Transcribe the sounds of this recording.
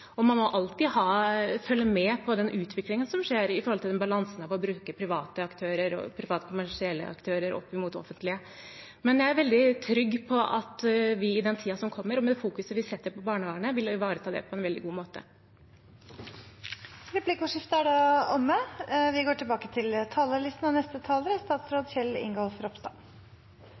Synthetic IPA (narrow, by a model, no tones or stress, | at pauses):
ɔmɑnmɔʔɑlt̪iːhɑːfœlːəmɛpʰɔd̪ɛnʔʉːt̪ʰʋɪklɪŋənsɔmʂeːɾɪfɔɾhɔlt̪ɪlɛnbɑlɑnsənɑʋɔbɾʉːkəpʰɾɪʋɑːt̪əɑkt̪ʰøːɾəɾɔ̰pʰɾɪʋɑːt̪ə̥kʰʊmæʂɪɛlːə̰ɑ̰kt̪ʰøːɾəɾɔ̰pːɪmuːt̪ɔ̰fənt̪lɪə | mɛnjæɪæɾʋɛld̪ɪt̪ʰɾʏɡːpʰɔʔɑ̰t̪ʋɪɪd̪ɛnt̪ʰiːɑsɔmkʰɔmːəɾɔmɛd̪ɛfuːkʉsəʋɪsɛt̪ːəɾpɔbɑːɳəʋɑːɳəʋɪlʋɑːɾət̪ʰɑːd̪ɛ̰pʰɔɛnʋɛld̪ɪɡuːmoːt̪ə̰ | ɾɛpʰliːkʊʂɪft̪əæɖɛɔmːəʋɪɡoːʈʰɪlbɑːkət̪ʰɪlt̪ʰɑːləɭɪst̪n̩ɑʋnɛst̪ət̪ʰɑːləɾəst̪ɑːt̪sɾoːd̪çɛlːɪ̰ŋɡɔlfɾɔpst̪ɑ̰ː